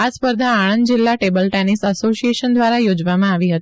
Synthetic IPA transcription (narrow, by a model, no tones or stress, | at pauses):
aspəɾd̪ʱaːɽ̃ənd̪d͡ʒilːaʈebəlʈɛnisəsosijeʃənd̪ʋaɾajod͡ʒʋamãaʋiɦət̪i